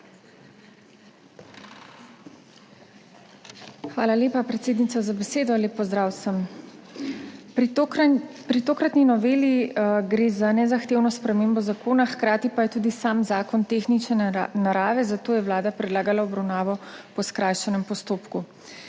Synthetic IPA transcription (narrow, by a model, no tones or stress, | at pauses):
xʋaːlaleːpapɾɛt̪seːd̪nit̪sazabɛseːd̪ɔleːpːɔzd̪ɾaːwsəm | pɾit̪oːkɾat̪ninɔʋeːliɡɾeːzanɛzaxt̪eːwnɔspɾɛmeːmbɔzakoːnaxkɾaːt̪ipajɛt̪uːd̪isamzaːkɔnt̪exnit͡ʃnɛnaɾaːʋɛzat̪oːjɛwlaːd̪apɾɛd̪laːɡalaɔbɾawnaːʋɔpɔskɾaːjʃɛnɛmpɔst̪oːpku